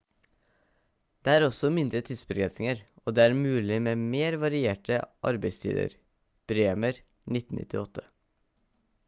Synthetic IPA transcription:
d̪̥eːæːɾɔsɔmɪnd̪ɾət̪ʰiːd̪sbəɡɾɛnsɪŋəɾoːd̪eːæːɾmʉːlɪmeːmeːɾʋɑɾɪeːʈəʔɑ̰ɾbæɪst̪ʰḭːd̪ə̰ɾ | b̥ɾeːməɾ | nɪt̪ːn̩ʔɪ̰t̪ʰːɪɔt̪ʰːə̥

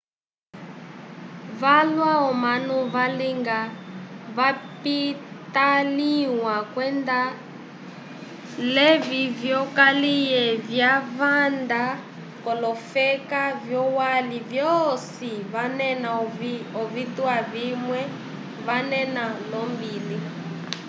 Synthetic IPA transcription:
valwaɔmanuvaliŋɡaβapit̪aliwakwɛnda | lɛvivjɔkalijɛvjavand̪a | kɔlɔfɛkavjɔwalivjɔsiβanɛnaɔvituaβimwɛ | βanɛnalɔmbiːli

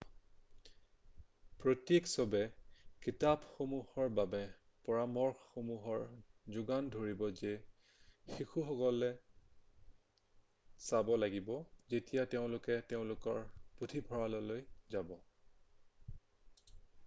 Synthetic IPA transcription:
pɹotjeksɔbɛkitabxomuhɔɹbabɛ | pɔɹamɔɹxxomuɦɔɹzʊɡandʱoɹibɔze | xixuxɔkɔlɛ | sabɔlaɡibɔzetijateʊ̃lʊkɛteʊ̃lʊkɔɹputʰibʱɔɹalɔlojzabɔ

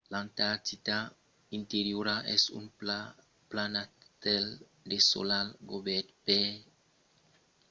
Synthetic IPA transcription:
lant̪aɾt̪it̪a | int̪eɾjuɾaʔɛsṵn | planat̪ɛl | d̪eso̰lalɡobɛt̪pe

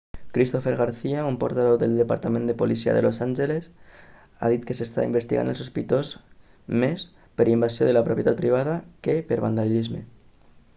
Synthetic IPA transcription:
kɾist̪ofeɾɣaɾθiaumpoɾt̪aðowðelˠd̪epa̰ɾt̪amend̪epolisia̰ðḛlʔosanʲʒeles | a̰ð̞it̪kesest̪a̰imbest̪iɣa̰nelsospit̪oz | mes | peɾimbasjoð̞elapɾopjet̪at̪̚pɾiβ̞aðakepeɾβa̰nd̪alʎizmḛ

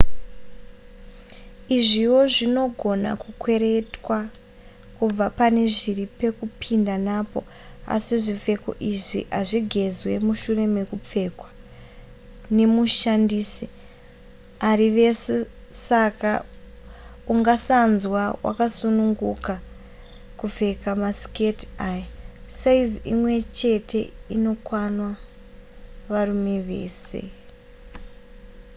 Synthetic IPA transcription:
iʐiwo̞ʐino̞ɡʱo̞na̰kukwe̞ɾe̞twa | kub͡vapane̞ʐiripe̞kupʰindanapo̰ | a̰siʐip͡fe̞ko̞̰ʔiʐiʔaʐiɡʱe̞zwe̞muʃure̞me̞kup͡fe̞kwḁ | ne̞muʃandiːsi | ariʋe̞sesaka | uŋɡasanzwawʔa̰kasunuŋɡuka | kuve̞kamasketajasaiziimwe̞t͡ʃe̞te̞ino̞kwanwa | ʋarume̞ʋe̞̰ːse̞̰

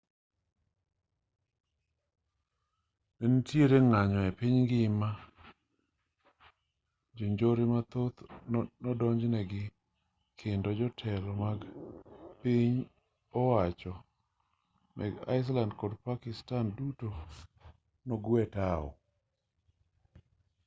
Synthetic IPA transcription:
nɛntjeɾeŋaɲɔɛpɪɲɡɪma | d͡ʒoɲd͡ʒoɾimat̪ot̪nɔdɔɲd͡ʒnɛɡɪ | kʰɪndɔd͡ʒɔtʰɛlɔmaɡ | piɲ | ɔwat͡ʃɔ | nʔɛ̰ɡa̰ɪs̬landkodpakɪstanduto | nɔɡwɛtaɔ̰

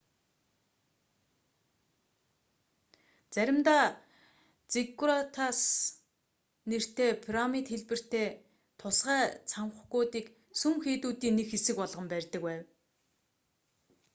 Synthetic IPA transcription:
t͡sæɾʲɪ̆mt̪aː | t͡sekːurat̪ʰas | ner̥t̪ʰeːpʰiramit̪xeɮpɘ̆r̥t̪eː | t̪ʰʊsɢæːt͡sʰamχɡuːt̪iːk | suŋxeːt̪uːt̪iːnːekxesɘ̆kpɔɮʁə̆mpærʲt̪ə̆kwæːw

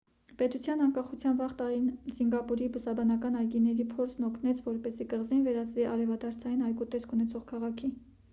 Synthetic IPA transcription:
pɛt̪ut͡sʰjɑnɑŋkɑχut͡sʰjɑnvɑʁt̪ɑɾinziŋɡɑpuɾibusɑbɑnɑkɑnɑjɡinːɛɾipʰɔɾsʰnɔkʰnɛt͡sʰvɔɾpɛzikəʁzinvɛɾɑt͡sʰviʔɑɾɛvɑd̪ʰɑɾt͡sʰɑjinɑjkut̪ɛskʰunɛt͡sʰɔʁkʰɑʁɑkʰi

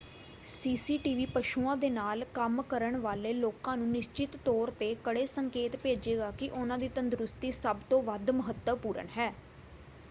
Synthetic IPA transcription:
siːsiːʈiːʋiːpəʃuːãːd̪eːnaːlkəmkəɾəɳʋaːleːloːkãːnũːnɪʃt͡ʃɪt̪ːɔːɾt̪eːkəɽeːsəŋkeːt̪peːd͡ʒeːɡaːkɪʔʊnãːd̪iːt̪ənd̪ɾʊst̪iːsəbt̪õːʋəd̪məɦət̪ːəpuːɾə̰ɳɦɛː

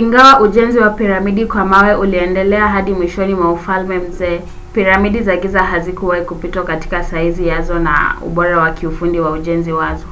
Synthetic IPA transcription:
iŋɡawaʔuʄɛnziwapiɾamiɗikwamawɛʔuliɛndɛlɛaɦaɗimwiʃɔnimwaufalmɛm̩zɛː | piɾamiɗizaɡizaɦazikuwaikupitwakati̥kasaizijazɔna̰ṵɓɔɾawakʰiufundiwauʄɛnziwazɔ

